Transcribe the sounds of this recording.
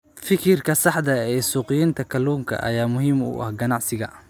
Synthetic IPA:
fɪkʰɪrkʰɐsɑħd̪ɐɛːsuːqɪjɪnt̪ʰɐkʰɐluːŋkʰɐ̰ʔɐ̰jaːmʊɦiːmṵːʔɐ̰hɡɐnɑʕsɪɣɐ

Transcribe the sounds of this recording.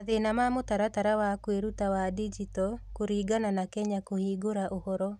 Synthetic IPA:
aðenamamotaɾataɾawakweɾutawadid͡ʒitɔkoɾiːɡananakɛɲakohiːɡoɾaʔohɔɾɔ

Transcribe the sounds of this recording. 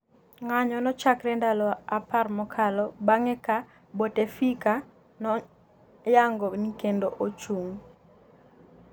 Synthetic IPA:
ŋaɲɔnɔt͡ʃakɾɛndalɔaparmɔkʰalɔbaŋɛka | botefika | nɔ | jaŋɡɔnikendoʔot͡ʃuŋ

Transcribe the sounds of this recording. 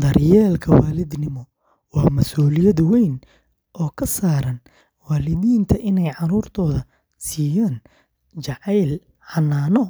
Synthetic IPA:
d̪ɐrjɛːlkʰɐwaːlɪd̪nɪmɔ | wɑːmɐsuːlɪjɐðwɛjn | ʔɔːkʰɐsaːɾɐn | waːlɪðiːnt̪ʰɐʔɪnɛjʕɑɾuːrt̪ʰɔːðɐ | siːjaːn | t͡ʃɑʕɛjl | ħɑnːaːnɔ

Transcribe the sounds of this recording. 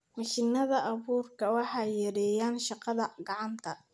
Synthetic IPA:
mɐʃɪnɐðɐʔɑβuːrkʰɐwɑħɑjjːɐɾɛːjaːnʃɑqɑðɐɡɑʕɑnt̪ʰɐ

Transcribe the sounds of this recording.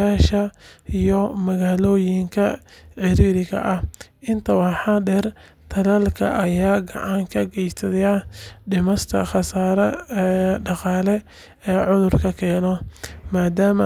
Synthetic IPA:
aːʃɐijɔmɐɣaːlɔːjɪŋkʰɐħɪɾiːɾɪɣɐ̰ʔɐhʔɪnt̪ʰɐwɑħɑdɛr | t̪ʰɐlɐlkʰɐ̰ʔɐjaːɡɑ̰ʕɑŋkʰɐɡɛjsɐðɐjaɖɪmɐst̪ʰɐ̰χɑsaːɾɐ | ɖɑqɑːlɛ | ɛːʕʊðʊrkʰɐkʰɛːnɔmaːd̪aːmɐ

